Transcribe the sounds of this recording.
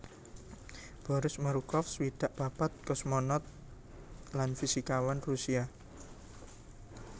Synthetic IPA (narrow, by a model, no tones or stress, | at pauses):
b̥ɔ̤ɾɪsmaɾukɔfswid̪̥aʔpapat̪̚kɔsmɔnɔt̪̚ | lanfisikawanrusia